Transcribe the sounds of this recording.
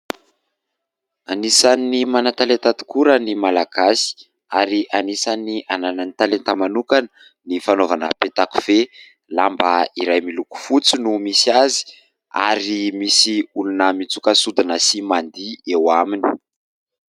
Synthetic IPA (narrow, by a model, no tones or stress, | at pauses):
anisanːimanat̪alent̪at̪u̥kuɾənimalaɡ̥asi̥ | aɾiʔanisaniʔanananit̪alent̪amanukanə | nifanovanə̰pet̪aku̥v̥e | lambaiɾajmiluku̥fut͡sinumisazi̥ | a̰ɾimisiulunəmit͡sukəsud̪inəsimand̪iewamini̥